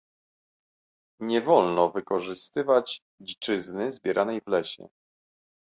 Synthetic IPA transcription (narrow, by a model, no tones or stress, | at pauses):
ɲɛvɔlnɔvɘkɔʐɘst̪ɘvat͡ɕ | d͡ʑit͡ʂɘznɘzbʲjɛɾʔanɛjvlɛɕɛ̰